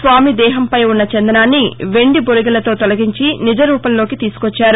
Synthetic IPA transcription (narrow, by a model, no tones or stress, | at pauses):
sʋaːmid̪ɛːɦɐmpɐjunːɐt͡ʃɛnd̪ɐnaːnːiʋe̞ɳɖiboɾiɡɐlɐt̪o̞ːt̪ɔlɐɡiɲt͡ʃinid͡ʒɐɾuːpɐllo̞ːkit̪iːsu̥kot͡ʃːaːɾu